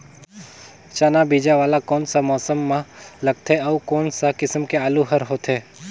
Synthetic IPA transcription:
t͡ʃaːnabiːd͡ʒaʋaːlakɔːnsamɔːsəmːãlɐɡ̚t̪ʰeɔkɔːnsakɪsəmkeaːluɦɐɾɦoːt̪ɦeː

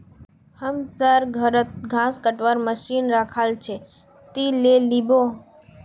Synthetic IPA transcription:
həmsəɾɡʱəɾət̪̚ɡʱãskəʈʋaɾməʃinɾakʰalt͡ʃʰe | t̪ilelibo

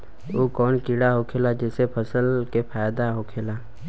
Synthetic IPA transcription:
oːkɔːnkiɽaɦokʰeːlad͡ʒɛːsepʰəsəlkepʰaːjd̪aɦokʰeːlaː

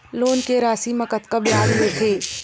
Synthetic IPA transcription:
loːnkeɾaːsimɐkət̪kabɪjaːlɦet̪ʰeː

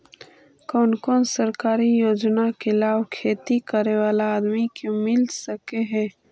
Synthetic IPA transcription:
kɔːnkɔːnsəɾkaːɾijoːd͡ʒnakelaːwkʰeːt̪ikəɾewaːlaːd̪mikõmɪlsəkeɦɛː

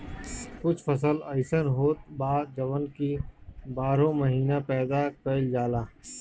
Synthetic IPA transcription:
kʊt͡ʃʰfʰəs̬ələɪsənɦoːt̪̚baːd͡ʒəʋənkibaːɾõməɦiːnapɛːd̪akəld͡ʒaːlaː

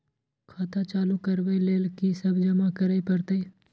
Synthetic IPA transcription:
kʰaːt̪at͡ʃaːlukəɾʋeleːlkisɐbʱd͡ʒɐmakəɾəpəɾt̪ei

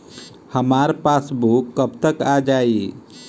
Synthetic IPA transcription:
həmaɾpasbukːəbt̪əkad͡ʒai

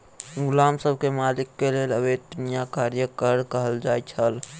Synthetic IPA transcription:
ɡʊlamsəb̚ʱkemalikːeleləbed̪unijakaɾjəkəɾkəɦəld͡ʒajt͡ʃʰəl

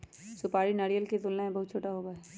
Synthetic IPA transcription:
sʊpaːɾinɐɾijəlket̪ʊlnemẽbɐɦʊt̪̚t͡ʃʰoːʈaɦoːɡaɦɛː

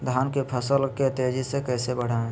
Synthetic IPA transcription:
d̪ʱaːnkepʰəsəlket̪ed͡ʒisekɛːsebəɽ̤aẽ

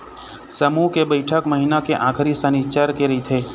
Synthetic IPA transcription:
səmukebəɪʈʰəkməɦinakeʔãːkʰəɾisənit͡ʃaɾkeɾəɦit̪ʰeː

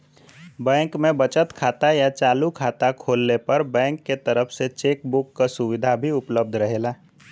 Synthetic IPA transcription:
bɛ̃ːŋkmẽbɐt͡ʃət̪kʰaːt̪ajat͡ʃaːlukʰaːt̪akʰoːlnepɐɾbɛ̃ːŋkːet̪əɾəfʰset͡ʃeːkbʊkːasʊʋɪd̪ʱabʱiʊpləb̚d̪ʱɾɐɦeːlaː

